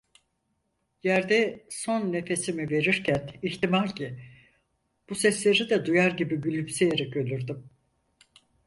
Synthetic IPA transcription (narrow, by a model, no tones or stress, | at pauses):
jæɾd̪ɛso̞nːe̞fe̞simive̞ɾiɾcʰæniçt̪imalʲcʰi | b̥usɛslʲe̞ɾid̪ɛd̪ujaɾɟibibylʲypsɛjeɾɛcø̞lʲyɾd̪ym